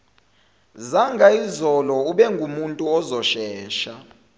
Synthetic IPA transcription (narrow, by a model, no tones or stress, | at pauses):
zaŋɡʱaizɔlɔuɓɛŋɡʱumuntʼuɔzɔʃɛːʃa